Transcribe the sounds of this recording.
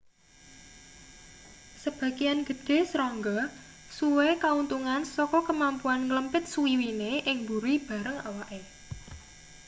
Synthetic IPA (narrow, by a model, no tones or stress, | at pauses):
səb̥ä̤ɡijanɡ̥ə̤ɖ̥e̤sɾɔŋɡɔ | suwekaunt̪uŋansɔkɔkəmampuanŋləmpɪt̪̚suiwineʔɪŋbuɾib̥ä̤ɾəŋawaʔe